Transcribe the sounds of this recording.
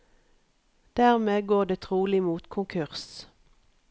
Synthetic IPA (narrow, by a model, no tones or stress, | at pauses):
d̪̥æːʁmeːɡoːʁd̪eːt̪ʰʁuːlɪmuːt̪kʰʊŋkʰʉʁs